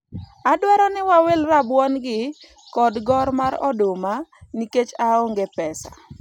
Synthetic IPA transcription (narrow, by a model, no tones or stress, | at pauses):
adwaɾɔnɛwawelrabwɔnɡɪ | kɔdɡɔɾmaɾɔ̰domaniket͡ʃaoŋɡepɛsḁ